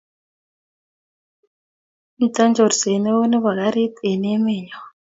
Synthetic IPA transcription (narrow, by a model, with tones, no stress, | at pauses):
mi˨ta˦nd͡ʒɔ˨ɾse˨ne˦wo˦ne˦βa˨ɣa˦ɾi˦t̪e˨ne˦me˦˨ɲɔ˨